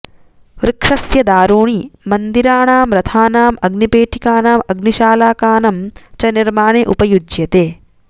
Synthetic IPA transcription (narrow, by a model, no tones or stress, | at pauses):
ʋɾɪkʂɐsjɐd̪aːɾuːɳimɐnd̪iɾaːɳaːmɾɐt̪ʰaːnaːmɐɡnipeːʈʰikaːnaːmɐɡniʃaːlaːkaːnɐmt͡ʃɐniɾmaːɳeːʔupɐjud͡ʒjɐt̪eː